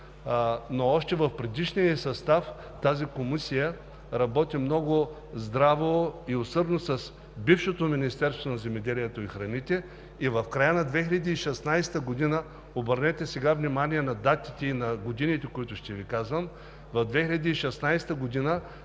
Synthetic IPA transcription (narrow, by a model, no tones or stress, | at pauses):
noɔʃt̪ɛvɐfpɾɛd̪iʃnijəsɐst̪af | t̪azikomisijə | ɾɐbɔt̪imnɔɡʊ | zd̪ɾavoiosɤɾnosɐs | bifʃot̪ominist̪ɛɾst̪vonɐzɛmɛd̪ɛlijɛt̪oixɾɐnit̪ɛ | ivɐfkɾajənɐd̪vɛxʲilɐd̪iːʃɛsnajst̪əɡod̪inə | obəɾnɛt̪ɛsɛɡavnimaniɛnɐd̪at̪it̪ɛinɐɡod̪init̪ɛkoit̪ʊʃt̪ɛvikazvəm | vɐvd̪vɛxʲiʎʲɐd̪iːʃɛsnajst̪əɡod̪inə